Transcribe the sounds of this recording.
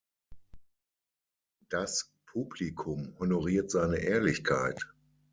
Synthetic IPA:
d̥as | pʰuːblikʰʊmhonoʁiːɐtz̥aɪnəʔɛːɐlɪçkʰaɪt

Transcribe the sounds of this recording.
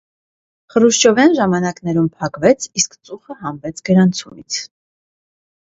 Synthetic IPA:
χəɾuʃt͡ʃɔvjɑnʒɑmɑnɑkn̪ɛɾumpʰɑkvɛt͡sʰiskt͡sʼuχəɦɑmvɛt͡sʰɡəɾɑnt͡sʰumit͡sʰ

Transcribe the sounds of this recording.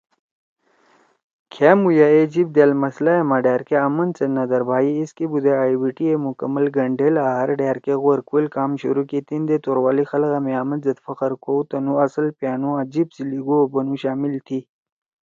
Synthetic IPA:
kʰemujaed͡ʑib̚d̪eːlmɐslaemaɖaːɾkeɐmɐnt͡senɐd̪ɐɾbʱaːjiːskibud̪eaiwiʈiemukɐməlɡɐɳɖelaɦɐɾɖeːɾkeɣoɾkuelkaːmɕṵɾukit̪ind̪et̪oɾwaːlixɐlɣameaːmɐnzɐt̪fɐqəɾkʰowt̪ɐnuɐsəlpjaːnũad͡ʑibsiliɡuobɐnuɕaːmilt̪ʰi

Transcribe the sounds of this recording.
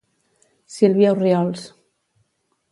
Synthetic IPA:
silβjauriɔls

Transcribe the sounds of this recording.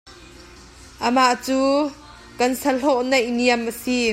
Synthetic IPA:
ʔəmaʔt͡suː | kɐnsɐlɔʔnejniəmʔəsi

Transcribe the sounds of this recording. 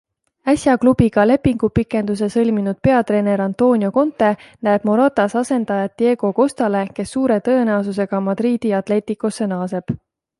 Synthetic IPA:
æsʲjɑklub̥iɡ̥ɑle̞pːiŋɡ̥upikːˑe̞nd̪us̬e̞sɤ̞lʲminud̪̥̚pe̞ɑt̪re̞ːne̞ɾɑnt̪o̞ːnʲjo̞ko̞nt̪ːˑe̞næeb̥mo̞ɾɑt̪ːˑɑsɑse̞nd̪̥ɑjɑt̪̚d̪̥je̞ːɡ̥o̞ko̞st̪ɑle̞ke̞sːuːɾe̞t̪ɤ̞e̞næos̬us̬e̞ɡ̥ɑmɑd̪̥riːd̪̥iɑt̪ˑle̞ːt̪ːˑikːˑosːe̞nɑːse̞b̥

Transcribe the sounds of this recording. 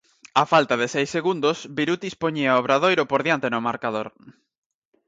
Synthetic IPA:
afalt̪aðesɛjsːeɣund̪osbiɾut̪ispoɲiaoβɾað̞ojɾʊpoɾðjant̪enʊmaɾkaðoɾ

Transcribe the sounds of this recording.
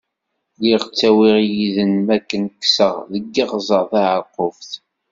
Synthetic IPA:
liʁt͡sːæwiʁjiðənmækːənkːsəʁðəɡːiʁzˤəʁθaʕəqːofθ

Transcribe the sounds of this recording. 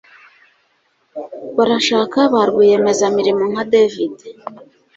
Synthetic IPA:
βaɾaʃaːkaβaɾɡije̞me̞zamiɾimoŋ̥hadevide

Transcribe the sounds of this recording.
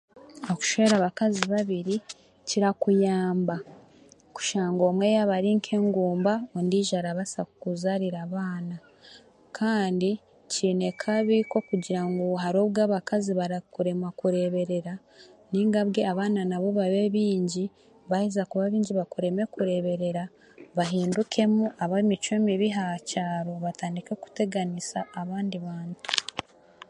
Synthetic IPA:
oku̥ʃeeɾaβakaziβaβiɾi | ciɾakujaːmba | ku̥ʃaːŋɡo̞mwe̞jaβaɾiːŋkʰe̞ːŋɡuːmbaondiːʒaɾaβasakukuzaɾiɾaːβaːna | kʰaːndi | ciːne̞kʰaβiko̞kuɟiɾaŋɡoɦaɾo̞ːβɡaːβakaziβaɾakuɾe̞makuɾe̞βe̞ɾe̞ɾa | niːŋɡaβɡe̞aβaːnanaβo̞βaβe̞βiːɲɟi | βajizakuβaβiːɲɟiβakuɾe̞me̞kuɾe̞βe̞ɾe̞ɾa | βaɦiːndukʰe̞muʔaβamit͡ʃoemiβiɦacaːɾo̞βataːndikeku̥te̞ɡanisaːβaːndiβaːntu̥

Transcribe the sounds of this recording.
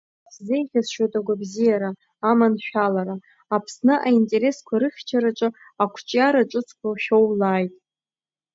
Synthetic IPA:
szejχʲazʃotʼaɡʷabzijaɾaː | manʃᶣalaɾa | apʰsnɨʔaintʼe̞ɾe̞skʷʰaɾɨχʲt͡ʃʰaɾaʈ͡ʂʼɨ | akʷʰt͡ʃʼjaɾaʈ͡ʂʼɨt͡sʰkʷʰawʃʲowlaːjtʼ

